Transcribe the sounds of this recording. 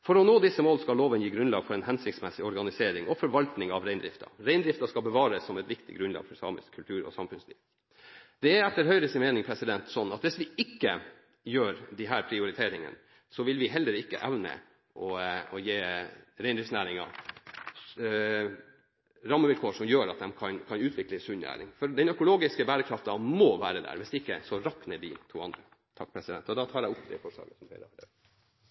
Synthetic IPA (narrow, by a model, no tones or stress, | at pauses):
fɔɾɔnoːd̪ɪsːəmoːlskɑlloːʋənjiːɡɾʉnlɑ̰ːɡfɔɾɛnhɛnsɪkt̪smɛsɪɔɾɡɑnɪseːɾɪŋɔfɔɾʋɑlt̪nɪŋɑʋɾɛɪnd̪ɾɪ̰ft̪ʰɑ̰ɾæɪnd̪ɾɪft̪ɑskɑlbəʋɑːɾəsːɔmɛt̪ʋɪkt̪ɪ̰ɡɾʉnlɑ̰ːɡ̥fɔɾsɑ̰ːmə̰skʰʉlt̪ʰʉːɾɔ̰sɑmfʉnslḭːʋ | d̪̥ɛæɾɛt̪ːəɾhœʏɾəsɪnmeːnɪŋpʰɾɛsɪd̪ɛnt̪sɔnːɑt̪ʋɪsʋɪɪkːə | jøːɾd̪ɪɦæːɾpʰɾɪʊɾɪt̪ʰeːɾɪŋə̰n | sɔʋɪlʋɪɦɛld̪əɾɪkːə̰ʔæʋnə̰ | ʔɔɔjeːɾɛɪnd̪ɾɪfsnæːɾɪŋɑ̰ | ɾɑmːəʋɪlkʰoːʂɔmjøːɾɑt̪̚d̪ɛmkʰɑnkʰɑnʉːt̪ʰʋɪkləsʉnnæ̰ːɾɪ̰ŋfɔɾd̪ɛnœkʊloːɡɪskəbæːɾəkʰɾɑft̪ɑmoːʋæːɾəd̪æ̰ːɾʋɪsd̪ɛɪkːəsɔɾɑknəd̪ɪ̰t̪ʰṵːɑnd̪ɾə | t̪ʰɑk̚ːpʰɾɛsɪd̪ɛnt̪ɔd̪ɑːt̪ʰɑːɾæɪʊpːd̪ɛ̰foːʂɑ̰ːɡəsɔmfɛ̰ɪɾəhɑɖə